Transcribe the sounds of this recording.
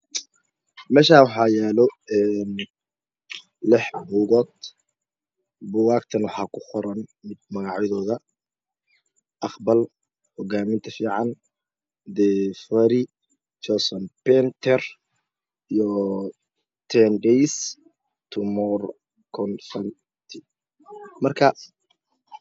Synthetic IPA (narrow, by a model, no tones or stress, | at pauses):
mɛːʃaːwɑħɑjɛːlɔɛːn | lɛħbuːɣɔːd̪̚ | bʊwaːkt̪ʰɐnwɑħɑːkʰʊqɔɾɐnmɪd̪̚mɐɣɑʕjɛðɔːðɐ | ʔɑqbɐl | hɔɡaːmɪnt̪ʰɐfiːʕɑn | d̪ɛfɐɾɪ | t͡ʃɔsɔnpɛnt̪ʰɛr | ijɔ | t̪ʰɛnɖɛjs | t̪ʰʊmɔr | kʰɔnfɐn | t̪ʰɪ | mɐrkʰɐ